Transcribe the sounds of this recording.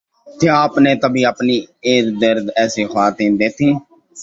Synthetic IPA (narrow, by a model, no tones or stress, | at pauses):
t̪ʰeaːpnẽːt̪əbʱiːəpniːeːɾd̪əɾd̪ɛːseːxʰaːt̪ĩːnd̪eːt̪ʰĩː